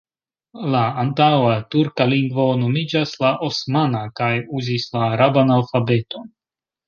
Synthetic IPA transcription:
laːntawatuɾkaliŋɡvo̞no̞mid͡ʒaslaʔosmanakajuzislaːɾabanalfabe̞to̞n

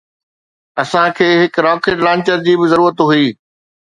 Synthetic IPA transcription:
ɐsãkʰeːɦɪkɾɔːkɪʈlãːɲt͡ɕəɾd͡ʑiːbɪzɐɾuːɾət̪ɦuiː

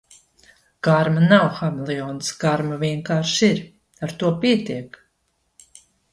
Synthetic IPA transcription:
ɡ̥aɾmanawxamlˠiɔnsɡaɾmaviɛŋkaːɾʃiɾ | aɾt̪uɔpiɛt̪iɛk

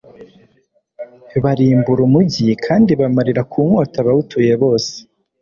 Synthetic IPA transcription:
βaɾiːmbuɾumuɟikʰaːndiβamaɾiɾakʰuːmo̞ːtaβaβutuje̞βo̞ːse̥

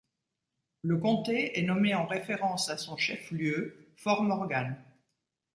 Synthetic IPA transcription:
ləkɔ̃t̪eɛnɔmeɑ̃ʁefeʁɑ̃sasɔ̃ʃɛfljøfɔʁmɔʁɡan

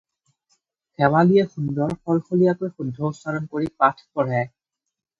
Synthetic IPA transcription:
kɛwalijɛxundɔɹxɔlxolijakojxudʱːɔusaɹɔnkoɹipatʰkɔɹɛ

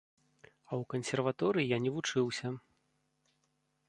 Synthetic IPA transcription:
ɐwkɐnsʲɛrvat̪ɔɾɨjijanʲɛvut͡ʂɨwsʲɐ

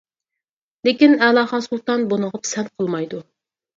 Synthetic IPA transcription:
lekʲinɛlˠɑːχɑsulˠt̪ɑnbonəʁəpsɛnqʰəlˠmɑjd̪u

